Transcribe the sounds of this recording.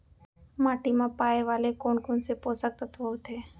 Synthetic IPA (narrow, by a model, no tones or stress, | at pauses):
maːʈimãpaːeʋaːlekoːɳkonseposək̚t̪ət̪ʰʋəʋt̪ʰeː